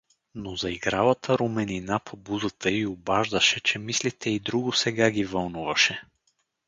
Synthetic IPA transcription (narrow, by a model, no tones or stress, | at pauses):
nozɐiɡɾavət̪ʰəɾomɛninapʰobuzət̪ʰəiobaʒd̪əʃɛt͡ʃɛmislit̪ɛid̪ɾuɡʊsɛɡaɡivɐlˠnuvɐʃɛ